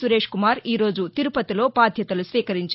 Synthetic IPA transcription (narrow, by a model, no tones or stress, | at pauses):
suɾe̞ːʂkumaːɾiːɾo̞ːd͡ʒut̪iɾupɐt̪ilo̞ːbaːd̪ʱjɐt̪ɐlusʋiːkɐɾiɲt͡ʃ